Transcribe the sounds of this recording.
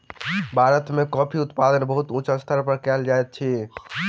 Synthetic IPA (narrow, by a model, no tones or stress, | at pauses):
bʱaɾət̪mekɔpʰiut̪pad̪ənbəɦut̪ũt͡ʃəst̪ʰəɾpəɾkɛld͡ʒajt̪̚t͡ʃʰi